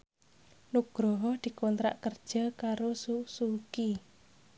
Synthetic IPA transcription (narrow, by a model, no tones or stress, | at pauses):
nuɡ̥ɾɔɦɔhd̪̥i̤kɔnt̪ɾa̰ʔkərd̥ʒ̥ə̤kaɾosusuki